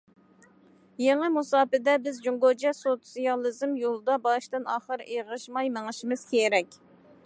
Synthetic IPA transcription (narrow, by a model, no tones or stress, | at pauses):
jeŋəmusɑːpɪd̪ɛbɪzd͡ʒuŋɡod͡ʒɛsot̪sijɑlˠɨzɨmjolˠd̪ɑbɑʃt̪ɨnɑːχəɾʔeʁəʃmɑjməŋɨʃimɨz̥kʲʰeɾɛkʲ